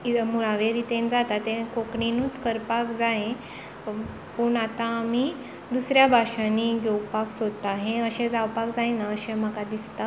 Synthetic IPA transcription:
imuɭaʋeɾit̪ẽnd͡zat̪at̪ẽkokɳinuːt̪kəɾpakd͡zaɦẽ | pəɳat̪aːmi | d̪usɾjabʱaɕãnːiɡowpaksod̪t̪aɦẽəɕẽd͡zawpakd͡zaẽnaəɕem̤əkad̪ist̪a

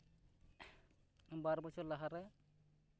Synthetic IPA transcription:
baɾbɔt͡ʃʰɔɾlaɦaɾɛ

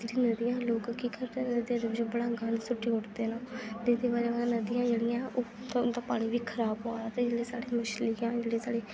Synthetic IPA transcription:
d͡ʒeːɽiːnəd̪ɪjãːloːkkːiːkəɾd̪eːnəd̪iãːd̪eːbɪd͡ʒoːbəɽaːɡəɳsʊʈːiːɦʊʈd̪eːnãːt̪ed̪eːbaːɾeːaːãːnəd̪ɪjãːd͡ʒeːɽɪjãːʔoː | t̪d̪aːpaːɽ̃iːʋiːkʰəɾaːbɦoːaːt̪eːd͡ʒeːɽeːsaːɽeːmʊʃliːãːd͡ʒeːɽeːsaːɽeː

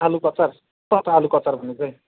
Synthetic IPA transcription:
alukʌt͡sar | t̪ʌt̪ɦalukʌt͡sarbʱʌnut͡sʰʌj

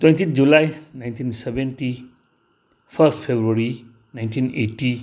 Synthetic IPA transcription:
twẽntʰinʰd͡ʒulajnajntʰinsebenti | pʰɐɾstpʰebɾuaɾi | najntʰineti

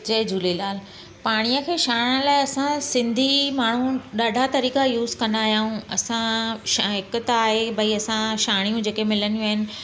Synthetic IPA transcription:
d͡ʑɐːd͡ʑuːlelaːl | paːɽ̃ijəkʰeːʃaːɽ̃əlaːɪɐsãsɪ̃nd̪ʱimaːɳ̤ũɗaːɖʱat̪ɐɾiːkajuːzkɐ̃nd̪aːɦijaːɦũɐsãʃaɦɪkt̪ɐaːɦebɐiɐsãʃaːɽ̃ijũd͡ʑeːkemɪlənjũaːɦɪnɪ̆

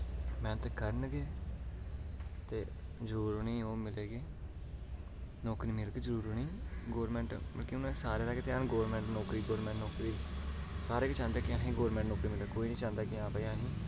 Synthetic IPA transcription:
mɛ̃ːt̪eːkəɾənɡeː | t̪eːd͡ʒəɾuːɾonĩːoːmɪleːɡeː | nɔːkɾiːmɪlɡeːd͡ʒəɾuːɾoːnĩːɡoːɾmɛ̃ːɳʈbə̰lkiʊnãːsaːɾeːt̪aːket̪eaːnɡoːɾmɛ̃ːɳʈnɔːkɾiːɡoːɾmɛ̃ːɳʈnɔːkɾiːsaːɾeːket͡ʃãːnd̪aːkɪãːɦĩːɡoːɾmɛ̃ːɳʈnɔːkɾiːmɪlaːkoːiːnĩːt͡ʃãːnd̪aːkɪãːpəiãːɦĩː

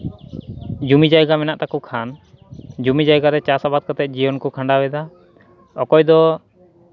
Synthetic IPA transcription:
d͡ʒumid͡ʒajɡamɛnaʔt̪akɔkʰan | d͡ʒumid͡ʒajɡaɾɛt͡ʃasabat̪̚kat̪ɛt̪̚d͡ʒijɔnkɔkʰaɳɖabɛd̪a | ɔkɔjd̪ɔ

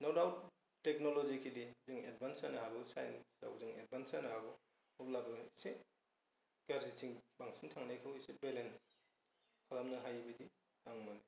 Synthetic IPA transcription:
nawdawt̚ː | ek̚nolɔzikʰilizɯŋed̚bʱansanɐɦaɡɔsajensa̰wzɯŋḛd̚bʱansanɐɦhaɡɔ | ulaɡɐse | ɡ̥aɾzitʰiŋbaŋsiŋtʰaŋnajkʰawisebelens | kʰalamnɐɦajbɐdi | aŋmɔni

